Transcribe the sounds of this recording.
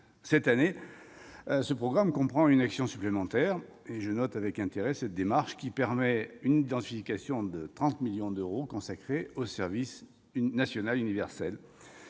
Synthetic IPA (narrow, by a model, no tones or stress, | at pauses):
sɛt̪ane | səpχɔɡʁamkɔ̃pχɑ̃ynaksjɔ̃syplemɑ̃t̪ɛʁ | eʒənɔt̪avɛkɛ̃t̪eʁɛsɛt̪̚d̪emaʁʃkʲipɛʁmɛynid̪ɑ̃t̪ifikasjɔ̃d̪ət̪χɑ̃t̪miljɔ̃d̪øʁokɔ̃sakχeosɛʁvis | nasjɔnalynivɛʁsɛl